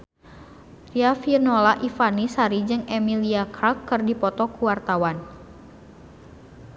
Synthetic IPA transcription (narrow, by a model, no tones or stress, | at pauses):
riafirnolaʔifanisaɾid͡ʒɨŋemiliakɾakːɨrdipɔt̪ɔkuwart̪awan